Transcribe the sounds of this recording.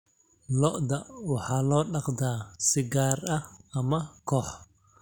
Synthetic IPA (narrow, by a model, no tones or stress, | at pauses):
lɔʔd̪ɐwɑħɑːlɔːɖɑqd̪aːsɪɡaːrɐɐmɐkʰɔːħ